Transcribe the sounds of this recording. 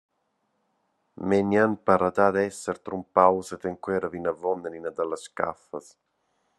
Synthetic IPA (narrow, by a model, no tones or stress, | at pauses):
mɛnjanpaɾat̪ad̪ɛsːɛɾt̪ɾumpawsɛt̪eŋkwɛːɾavinavɔnːaninad̪alaska̰fas